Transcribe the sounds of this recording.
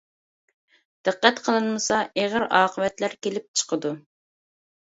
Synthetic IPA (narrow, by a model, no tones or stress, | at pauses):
d̪̥ɨqːæt̪qʰəlˠɨnmɨsɑʔeʁəɾɑːqʰəvɛt̪læɾkʲelɪp̚t͡ʃʰə̥qʰəd̪u